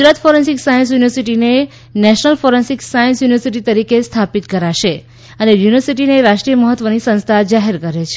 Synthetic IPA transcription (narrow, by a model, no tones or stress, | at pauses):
ɡɾat̪foɾensiksajə̃ns̬juniʋəɾsiʈine | nɛʃnəlfoɾensiksajə̃nsjuniʋəɾsiʈ̬it̪əɾikest̪ʰapit̪kəɾaʃe | ənejuniʋəɾsiʈineɾaʃʈɾijəməɦət̪ʋənisə̃ñst̪ʰad͡ʒaɦeɾkəɾet͡ʃʰ